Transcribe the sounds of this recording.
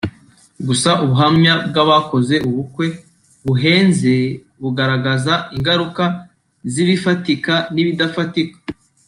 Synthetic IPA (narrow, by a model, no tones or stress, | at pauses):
ɡusaʔuβuɦamɲabɡaβako̞ze̞ʔuβukwe̞ | βuɦe̞ːnze̞ | βuɡaɾaɡazaiŋɡaɾuka | ziβifatikaniβidafatikḁ